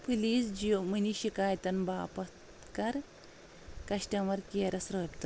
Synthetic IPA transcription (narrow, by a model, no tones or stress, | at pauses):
pɨliːsd͡ʒiomɨniʃikaːjt̪ɐnbaːpɐt̪ | kɐɾ | kɐʃʈɐmɐɾkeːɾɐsɾɐːpt̪ɨ